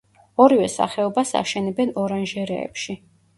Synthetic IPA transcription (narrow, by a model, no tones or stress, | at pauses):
ɔɾivɛsa̰χɛɔbasa̰ʃɛnɛbɛnɔɾanʒɛɾɛ̰ːpʃi